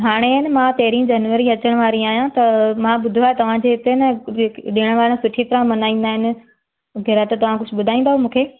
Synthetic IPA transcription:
ɦaːɽ̃eɦɪnɪ̆mãt̪ɐɦɾĩd͡ʑɐnʋəɾĩɐt͡ɕəɽ̃ʋaːɾĩaːɦjãt̪ɐmãɓʊd̪ʱoaːɦet̪ɐʋ̤ãd͡ʑeɪt̪enɐɗɪɽ̃ʋaːɾ̃sʊʈʰit̪ɐɾãmɐnaːĩːn̆d̪aːɦɪnɪ̆ | ɡʱɐɾat̪ɐt̪ɐʋ̤ãkʊd͡ʑʱʊ̆bʊd̪ʱaːĩːnd̪aɦomũːkʰeː

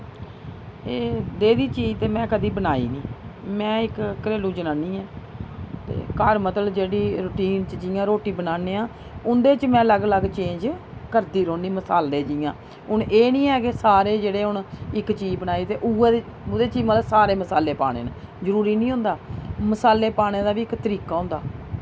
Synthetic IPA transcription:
eːd̪eːd̪iːt͡ʃiːd͡ʒt̪eːmɛ̃ːkəd̪iːbənaːiːnĩːmɛ̃ːɪkkəɾeːluːd͡ʒənaːniːɛ̃ː | t̪ḛːkəɾmət̪əld͡ʒeːɽiːɾʊʈiːnt͡ʃd͡ʒiːjãːɾoːʈiːbənaːneːãː | ʊnd̪eːt͡ʃmɛ̃ːləɡləɡt͡ʃẽːɲd͡ʒ | kəɾd̪iːɾoːniːməsaːld̪eːd͡ʒiːjãː | ʊɳʔeːnĩːɛːkesaːɾeːd͡ʒeːɽeːɦʊɳɪkt͡ʃiːd͡ʒbənaːiːt̪eːʔueʊd̪eːt͡ʃiːməlsaːɾeːməsaːleːpa̰ːɽ̃ḛːna̰ | zəɾuːɾiːnĩːɦʊ̃ːnd̪aːməsaːlːeːpaːɽ̃eːd̪aːʋiːɪkt̪əɾiːkaːɦʊ̃nd̪a̰ː

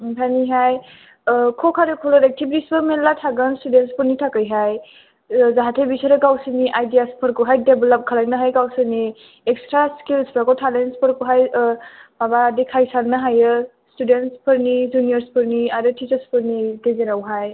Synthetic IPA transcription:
tʰaniɦaj | kʰɔkʰaɾekʰɔlɔɾek̚tʰibitisbɯmelːatʰaɡɯnstudentspɯɾnitʰakɯjɦaj | zaɦatʰebisaɾɯɡawsɯniʔajdijaspʰɯɾkuɦajdebelɔp̚kʰəlajnɯɦajɡawsɯni | ekstɾaskilspʰɾakɔtʰalenspʰɯɾkuɦaj | mabadikʰajsaɾnɯɦajɯ | studenspʰɯɾnizunijəɾspʰɯɾniaɾɯtʰit͡ʃəɾspʰɯɾnidezeɾawɦaj

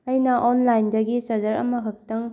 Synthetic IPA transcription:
ɐjnɐʔonlajndɐɡisɐd͡ʒɐɾɐ̰mɐɦɐk̚tɐŋ

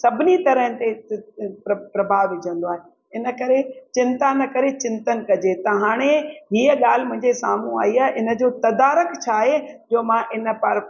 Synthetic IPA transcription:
sɐbʱɪnit̪ɐɾəɦə̃nɪ̆t̪epɐpɾɐbʱaːʋʋɪd͡ʑʱə̃nd̪oaːɦe | ɪnəkɐɾet͡ɕɪ̃nt̪anəkɐɾet͡ɕɪ̃nt̪ən̆kɐd͡ʑet̪ɐɦaːɽ̃eɦiːəɠaːl̤ɪmʊ̃ɦɪ̃ɲd͡ʑesaːmũa̰ːɦiaːɦeʔɪnə̆d͡ʑoːt̪ɐd̪aːɾəkt͡ɕʰaːɦed͡ʑoːmãʔɪnə̆pɐɾ

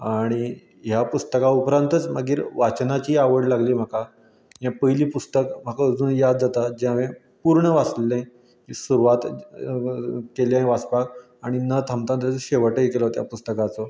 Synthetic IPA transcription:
aɽ̃i | ɦjapust̪əkaupɾãnt̪ət͡sməɡiːɾʋat͡ɕnat͡ɕiːaʋəɽlaɡliːm̤aka | jãpəjliːpust̪əkm̤akaəd͡zuːnjad̪̚d͡zat̪ad͡ʑaʋẽ | puɾɳəʋaslːẽ | kisuɾuʋat̪ | kelãj̃ʋaspak | aɽ̃inət̪ʰamt̪ant̪ət͡sɕeʋəʈəikelɔt̪ja̰pust̪əkat͡sɔ

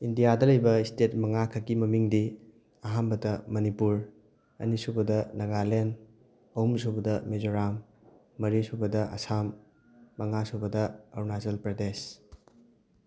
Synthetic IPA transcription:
indijadɐlɐjbɐistet̚mɐŋakʰɐkimɐmiŋdi | ɐɦambɐtɐmɐnipuɾ | ɐ̰nisubɐdɐnɐɡalen | ɐumsubɐdɐmezoɾamː | ɐɾisubɐdɐʔɐ̰samː | ɐŋasubɐdɐɐɾnazɐlpɾɐdes

